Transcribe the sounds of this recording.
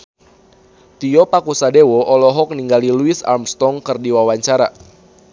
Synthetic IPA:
t̪iɔpakusadewɔʔɔlɔɦɔk̚niŋɡaliluisa̰rmst̪ɔŋkɨrdiwawaɲt͡ʃaɾa

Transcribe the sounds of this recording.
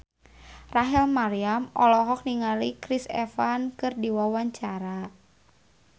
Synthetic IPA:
raɦɛlmaɾiamɔlɔɦɔk̚niŋalikɾisɛ̰fankɨrdiwawaɲt͡ʃaɾa

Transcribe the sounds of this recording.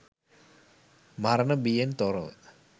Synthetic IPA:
maɾənəbijent̪oɾə̰

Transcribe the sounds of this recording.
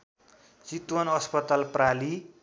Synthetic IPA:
t͡sit̪wʌnʌspʌt̪alprali

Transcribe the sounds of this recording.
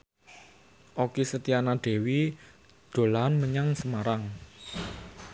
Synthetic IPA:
ʔokesət̪ianaɖ̪̥e̤wi | d̪̥o̤laɦnməɲaŋsəmaɾaŋ

